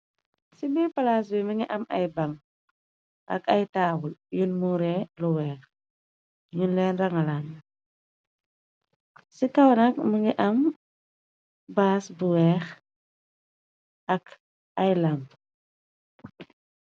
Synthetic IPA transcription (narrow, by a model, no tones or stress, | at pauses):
sibipalaːs̬biməŋiʔɐmʔɐjbɐŋ | ʔɐkɐjtaːwuljunmuɾɛluwɛːx | ɲunlɛːnrɐŋɐlan | sikɐwnɐk̚muŋiʔɐm | baːsbuwɛːx | ɐk | ɐjlɐmp